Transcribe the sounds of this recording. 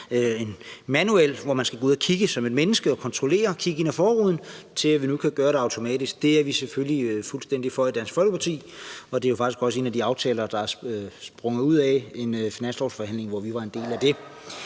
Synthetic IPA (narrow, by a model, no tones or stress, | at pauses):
øenmænuel̰ʋɒmænsɡ̥æɡo̝uð̰ˠækʰiɡ̥əsɒ̽me̝d̥menəsɡ̥əɒ̽kʰɒ̽nt͡sʰʁole̝̰ːɐkʰiɡ̥əe̝næfɒːʁuð̰ˠn̩t͡sʰe̝læʋinukʰæɡ̥ɶːɐɾeɑ̈ʊt͡sʰo̝mɛ̰ːd̥isɡ̥̚d̥e̝æɐʋiseføliøfulsd̥en̰d̥ifɒid̥ænsfɒ̽lɡ̥əpʰɑt͡sʰḭːɒ̽d̥e̝ɐjo̝fɑɡ̥isɡ̥ɒ̽səe̝ːnæd̥iɑ̈ʊt͡sʰɛ̰ːlɐd̥ɑ̈æɐsb̥ʁɔ̽ŋð̩ˠuð̞̰ˠɛe̝nfinæn̰sd̥ʁɒsfɒ̽hæn̰le̝ŋʋɒʋiʋɑ̈e̝nd̥e̝̰ːlæd̥e̝